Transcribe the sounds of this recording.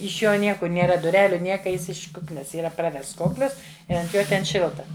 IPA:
ɪʃ ˈjoː ˈnʲiɛkʊr nʲeːˈrɐ dʊˈrʲæːlʲʊ ˈnʲiɛkɐ ˈjɪs ɪʃ ˈkʊknʲɛs iːˈrɐ ˈprɑːʋʲɛsts ˈkoːklʲɪs ˈɪ ɐnt ˈjoː tʲɛn ˈʃʲɪlˠtɐ

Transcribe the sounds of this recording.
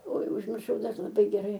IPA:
oːɪ ʊʒʲmʲɪrˈʃɐʊ lˠɐˈbɐɪ ɡʲɛˈrɐɪ

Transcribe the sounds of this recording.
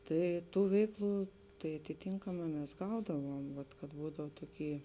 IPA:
ˈtɐɪ ˈtuː ˈʋʲɛɪkˌlˠuː tɐɪ ɐtʲɪˈtʲiːŋkɐmɑː mʲɛs ˈɡɐʊdɐʋuɔm ʋɐt kɐt ˈbuːdɐw ˈtoːˌkʲiː

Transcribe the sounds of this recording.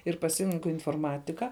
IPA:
ɪr pɐˈsʲɪrʲɛŋkʊ ɪnfoːrˈmɑːtʲɪkɐ

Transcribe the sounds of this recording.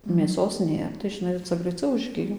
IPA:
mʲeːˈsoːs ˈnʲeːr tɐɪ ʒʲɪˈnɐɪ ˈt͡sɐ ɡrɐɪˈt͡sɐʊ ʊʒʲˈɡʲɪjoː

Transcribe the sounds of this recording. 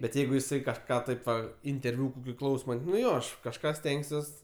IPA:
bʲɛt ˈjɛɪɡʊ jɪˈsɐɪ kɐʃˈkɑː ˈtɐɪp ʋɐ ɪnʲtʲɛrʲˈʋʲʊ pʲrʲɪˈklˠɐʊsoːmɐɪ nʊ ˈjoː ˈɐʃ kɐʃˈkɑː ˈsʲtʲɛŋksʲuɔs

